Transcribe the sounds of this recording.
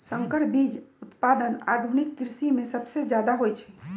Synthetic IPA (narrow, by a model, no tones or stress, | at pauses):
sə̃ŋkəɽbiːd͡ʒʊt̪paːd̪əna̰ːd̪ʱunikːɾɪsimẽsəbsed͡ʒjaːd̪aɦojt͡ʃʰɛ̥